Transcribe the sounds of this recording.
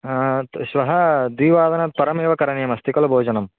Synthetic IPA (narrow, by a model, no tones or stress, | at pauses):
ʃʋɐɦɐd̪ʋiːʋaːd̪ɐnɐt̪̚pɐɾɐmeːʋɐkɐɾɐɳjɐmɐst̪ikɐlɐbʱoːd͡ʒɐnɐm